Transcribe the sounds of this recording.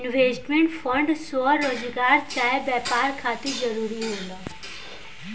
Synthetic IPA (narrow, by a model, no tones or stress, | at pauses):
inʋesʈmeɳʈfəɳɖsʋəːod͡zɡaɾt͡ɕajbɛpaɾkʰat̪iːd͡zəɾuɾiːɦola